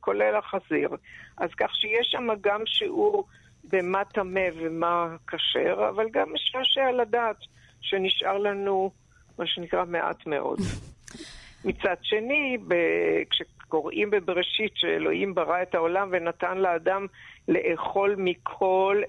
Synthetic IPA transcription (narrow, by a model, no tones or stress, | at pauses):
kʰo̞lelaχaziʁʔazkaχʃejeʃamaɡamʃiʔuʁ | bematame̞vemakaʃḛʁa̰valɡameʃʁaʃealadaːt̪ | ʃeniʃʔaʁlanu | maʃenikʁameʔa̰tme̞̰ʔo̞̰d̪ | mit͡sadʃe̞nibekʃeko̞ʁʔimbebeʁeʃitʃeḛlo̞̰himbaʁae̞taolamve̞natanleaːdamle̞ʔeχo̞lmikʰo̞l